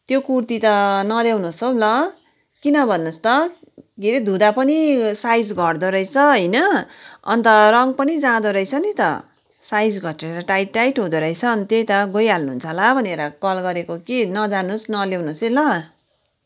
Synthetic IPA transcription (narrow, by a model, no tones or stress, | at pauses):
t̪jokurt̪it̪ʌnʌlewnusolʌ | kinʌbʱʌnːust̪ʌ | ɡeɾed̪ʱud̪apʌnisajd͡zɡʱʌrd̪oɾʌjt͡sʰʌɦʌjnʌʌ̰nt̪ʌrʌŋpʌnid͡zãd̪oɾʌjt͡sʰʌnit̪ʌ̰ | sajd͡zɡʱʌʈreɾʌʈajʈajʈɦud̪oɾʌjt͡sʰʌːnt̪jejt̪ʌɡʌjalnuɦunt͡sʰʌlabʱʌneɾʌkʌlɡʌɾekokinʌd͡zanusnʌlewnusilʌ